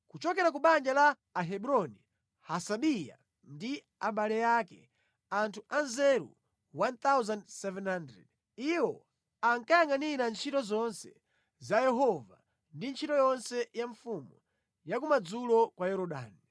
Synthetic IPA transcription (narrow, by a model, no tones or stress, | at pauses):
kut͡ʃɔkɛɾak̬uɓand͡ʒalaː | ɦɛɓuɾɔni | hasaɓija̰ | ndi | aɓalɛjakɛ̰ | antʰuʔanzɛɾṵ | want̪awzandsɛvɛnhandɾɛ̰d | iwɔ | aŋkajaŋɡaniɾant͡ʃʰitɔzɔnsɛ̰ | zajɛɦɔva̰ | ndint͡ʃʰitɔjɔnsɛjaɱfumu | jakumad͡zulɔkwajɛɾɔɗa̰ːni